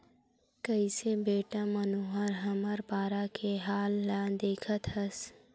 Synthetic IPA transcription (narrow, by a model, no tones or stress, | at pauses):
kəisebeːʈamɐnoːɦəɾɦɐməɾpaːɾakʰeɦaːlːãd̪eːkʰət̪ɦɐs